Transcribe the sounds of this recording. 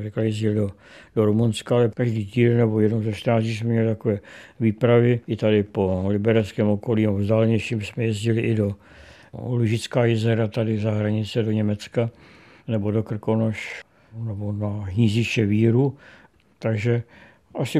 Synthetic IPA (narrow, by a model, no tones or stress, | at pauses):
rɛklajɛzɟɪldo | doɾumunskaalɛkaʒdiːciːdɛnnɛbojɛdnowzaʃt̪ɾnaːziːs̬mɛmɲɛlɪt̪ako̞vɛːviːpɾavɪɪt̪adɪpolɪbɛɾɛskɛːmoko̞liːnɛbovzd̪aːlɛɲɛʃiːmsmɛjɛzɟɪlɪʔɪdo̞̰ | luʒɪt͡skaːjɛzɛɾat̪adɪzaɦɾaɲɪt͡sɛdoɲɛmɛt͡ska | nɛbodokr̩konoʃ | nɛbonaɦɲizɪʃɛviːɾu | t̪aɡʒɛ | ʔasɪ